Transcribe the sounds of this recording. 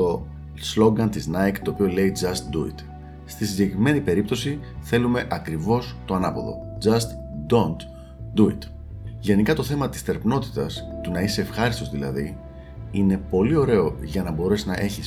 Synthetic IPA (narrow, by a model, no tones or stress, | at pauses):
t̪o̞ | slo̞ɡɐnt̪iznɐjkt̪o̞ːpio̞le̞id͡zɐst̪d̪uḭt̪ | st̪isiɲɟe̞kɾime̞nipe̞ɾip̚t̪osi | θe̞lume̞ʔɐkɾivo̞st̪o̞ɐnɐpoðo̞̰d͡zɐst̪ | d̪ont̪ | d̪uit̪ | ʝe̞nikɐt̪o̞θe̞mɐt̪ist̪e̞ɾpno̞t̪i̥t̪ɐst̪unɐiseːfxɐɾist̪o̞zðilɐ̰ði | ine̞po̞lio̞ɾe̞o̞ʝɐnɐbo̞ɾe̞sinɐʔe̞çis